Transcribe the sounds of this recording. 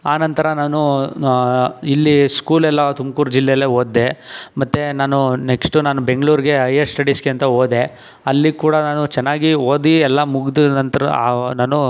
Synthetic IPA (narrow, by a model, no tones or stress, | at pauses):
aːnɐnt̪ɐɾɐnaːnu | ilːiskuːlɛlːɐt̪umkuːɾd͡ʒilːejleːoːd̪ːe̞mɐt̪ːenaːnuneksʈunaːnube̞ŋɡɭuːɾiɡe̞ɐjɐsʈɐɽisɡeɐnt̪ɐoːd̪e̞ | ɐlːikuːɽɐnaːnut͡ʃɛnːaːɡioːd̪iɛlːɐmuɡd̪unɐnt̪ɐɾɐnaːnu